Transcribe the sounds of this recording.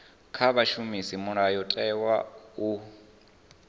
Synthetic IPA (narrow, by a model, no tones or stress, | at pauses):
kʰaβaʃumisimuɾajɔtʼɛwau